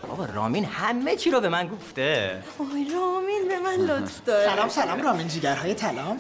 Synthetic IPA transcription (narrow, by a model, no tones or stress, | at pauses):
ɒ̰vɒːrɒ̰ːminhæmːet͡ʃʰiːɾobe̞mænɡoft̪e̞ | ojɾɒːminbe̞mænlot̪fd̪ɒːɾælɒːmsælɒːmɾɒːmind͡ʒiːɟæɾɦɒːjet̪ʰælɒːm